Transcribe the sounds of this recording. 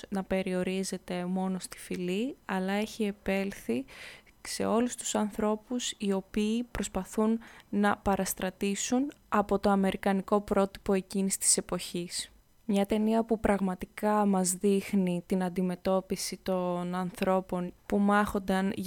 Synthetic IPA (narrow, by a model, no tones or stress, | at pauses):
nɐpe̞ɾio̞ɾize̞t̪e̞mo̞no̞st̪i̥filiɐlɐe̞çie̞pe̞lθi | se̞̰o̞lust̪u̥sɐnθɾo̞pusio̞piːpɾo̞spɐθunːɐpɐɾɐst̪ɾɐt̪isunɐpo̞t̪o̞ɐme̞ɾʔikɐniko̞pɾo̞t̪i̥po̞e̞cinisi̥t̪i̥se̞po̞çis | mɲɐt̪e̞niɐpupɾɐɣmɐt̪ikɐmɐzðixnit̪inɐnd̪ime̞t̪o̞pisit̪o̞nɐnθɾo̞po̞npumɐxo̞nd̪ɐn